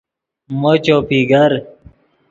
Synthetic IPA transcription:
mot͡ɕoːpiɡɐɾ

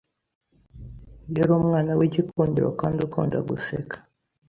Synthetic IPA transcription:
jeɾomŋaːnawecikʰuːɲɟiɾo̰kaːndiukṵːnda̰ɡusḛkḁ

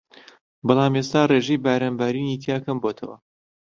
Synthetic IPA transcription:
bɑlˠaːmest̪aːreːʒejbaːɾaːnbaːɾiːniːt̪ʰiaːkʰɐmboːt̪ʰɐwɐ̰

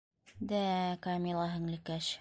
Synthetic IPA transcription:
d̪ækɑmʲilˠɑɦɘ̆ŋlɘ̆kæʃ

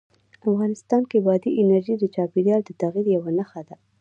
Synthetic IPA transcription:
afɣɑnɪst̪ɑnkebɑd̪iʔɪnaɾʒid̪ət͡ʃɑpeɾijɑld̪ət̪aɣiɾjawanaxad̪a

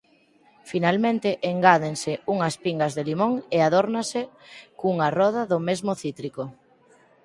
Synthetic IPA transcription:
finalmẽnt̪ɪʔeŋɡaðeŋsɪuŋɐspiŋɡazðelimõŋeaðoɾnasɪ | kuŋarɔð̞aðʊmezmʊθit̪ɾiko

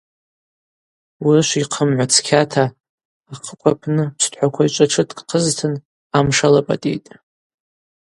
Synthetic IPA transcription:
wirɨʃʷiqʰəmʕʷat͡sʰkʲʰatʰaː | qʰəkʷʼapʰnɨpsʰtʰʼħʷakʷʰait͡ʃʷʼaʈ͡ʂʰɨtʼkʼqʰəztʰɨn | amʂalapʼa̰tʼḭjtʼ

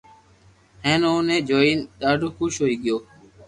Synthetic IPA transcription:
ɦẽːnõːnẽːd͡ʒoːiːnɗaːɖʱoːxʊʃɦoːiːɠɪjoː

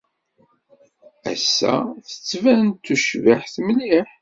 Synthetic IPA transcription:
æ̰sːæ̰θə̥t͡sːvænt̪ːuʃvaħθmliħ

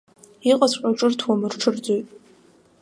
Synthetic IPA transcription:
iqʼazʷqʼaʈ͡ʂʼɨrtʰwamɨrʈ͡ʂʰɨrd͡zojtʼ

